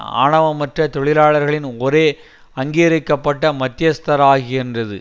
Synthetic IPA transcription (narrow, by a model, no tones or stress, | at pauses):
a̰ːɳɐʋɐmɐʈrɐt̪ɔɭɪlaːɭɐɾɣɐɭɪnɔɾeː | ɐŋɡijɐɾɯkːɐpːɐʈːɐmɐt̪ːɪjɐst̪ɐɾaːɣɪɪndrɐðɯ̰